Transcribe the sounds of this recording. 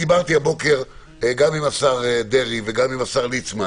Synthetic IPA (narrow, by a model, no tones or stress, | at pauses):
ibaʁt̪iabo̞keʁ | ɡamimasaʁd̪e̞ʁiveɡamimasaʁlit͡sma